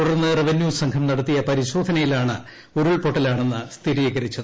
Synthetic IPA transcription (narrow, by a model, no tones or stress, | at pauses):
t̪uɽɐrnːɨreʋɐnjuːsɐŋkʰɐmnɐɽɐt̪ːijɐpɐɾiɕo̞ːd̪ʱɐnɐjilaːɳɨ̰ | oɾuɭpo̞ʈːɐlaːɳe̞nːɨst̪ʰiɾieɣɐɾit͡ɕːɐð